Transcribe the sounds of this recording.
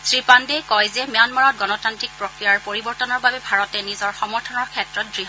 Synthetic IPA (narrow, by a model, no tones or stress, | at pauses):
sɹipandɛkɔjzɛmjanmaɹɔt̚ɡɔnɔtantɹik̚pɹokɹijaɹpoɹibɔɹtɔnɔɹbabɛbʱaɹɔtɛnizɔɹxɔmɔɹtʰɔnɔɹkʰɛtɹɔt̚dɹiɦ